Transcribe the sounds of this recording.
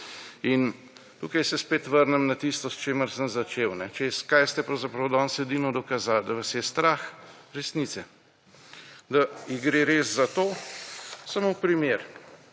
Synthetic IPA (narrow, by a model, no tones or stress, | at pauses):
in | t̪uːkajsɛspeːt̪ʋəɾnɛmnat̪ist̪ɔst͡ʃeːməɾsənzat͡ʃewnɛt͡ʃɛskajst̪ɛpɾawzapɾawd̪ɔnsɛd̪inɔd̪ɔkazald̪ɐʋasjɛst̪ɾaxɾɛsnit̪sɛ | d̪aiɡɾeɾeszat̪oː | samopɾimeːɾ